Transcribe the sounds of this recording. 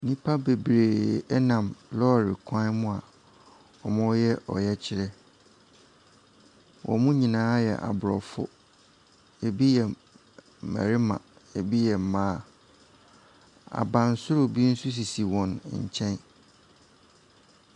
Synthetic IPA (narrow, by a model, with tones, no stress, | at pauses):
nĩ˦pʰa˦be˨bɾeː˨ɛ˦nã˨mlɔ˦˨ɾɪ˨kʰã˦mʊ̃˦a˨ | ɔ˨mɔ̃˦jɛ˦ʔɔ̰˨jɛ˦t͡ɕʰɪ˦ɾɛ˦ | wʔɔ̰˨mũ˦ɲĩ˨nãː˦jɛ̰˨ʔa̰˨bʊ˨ɾɔ˨fʊ̰˦ | e˨bi˦jɛ˨ | ma̰˨ɾɪ˦mã̰˨ | e˨bi˦jɛ˨m̩˨mãː˦˨ | a̰˨bã˨n˦sʊ˦ɾʊ˨bi˦n̩˦su˦s̬i˨si˨wɔ̃˨n˨ɲ̩˨t͡ɕʰɛ̃˦n